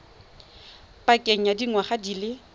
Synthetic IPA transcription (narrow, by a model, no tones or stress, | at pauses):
pʼakʼɛŋ̩jadiŋwaχadilɪ